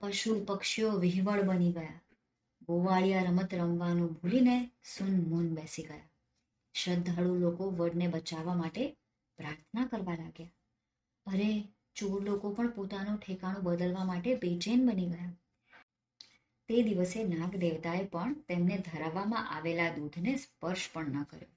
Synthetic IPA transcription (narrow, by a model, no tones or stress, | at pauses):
pəʃupəkʃijoʋɪɦʋəɭbəniɡəja | ɡoʋaɭijaɾəmət̪ɾəmʋanobʱulinesunmunbɛsiɡəja | ʃəd̪ʱːəɭulokoʋəɽnebət͡ʃaʋːamaʈe | pɾaɾt̪ʰnakəɾʋalaɡja | əɾe | t͡ʃoɾlokopəɳpot̪anõʈʰekaɽ̃õbəd̪əlʋamaʈebet͡ʃenbəniɡəja | t̪ed̪iʋəsenãɡd̪eʋt̪aepəɳt̪emned̪ʱəɾaʋːamãʔaʋelad̪ud̪ʱnespəɾʃpəɳnəkə̰ɾjo̰